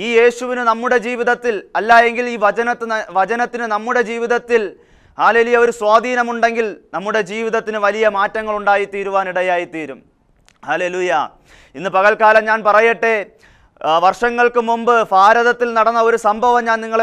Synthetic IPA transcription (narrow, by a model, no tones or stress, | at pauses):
iːje̞ːɕuʋinɨnɐmːuɽe̞d͡ʑiːʋiðɐt̪ːilɐlːaːje̞ŋɡiliːʋɐɐnɐt̪ːɨɐʋɐd͡ʑɐnɐt̪ːinɨnɐmːuɽe̞d͡ʑiːʋiðɐt̪ːil | haːle̞ːlujɐo̞ɾuswaːd̪ʱiːnɐmuɳɖe̞ŋɡilnɐmːuɽe̞d͡ʑiːʋiðɐt̪ːinɨʋɐlijɐmaːtːɐŋːɐɭuɳɖaːjit̪iːɾuʋaːniɽɐjaːjit̪iːɾum | hɐle̞ːluːjɐ | inːɨpɐɣɐɭkaːlɐmɲaːnpɐrɐjːɐʈːe̞ | ʋɐrʂɐŋːɐɭkɨmumbɨfaːɾɐðɐt̪ːilnɐɽɐnːɐo̞ɾusɐmbʱɐʋɐmɲaːnniŋːɐɭ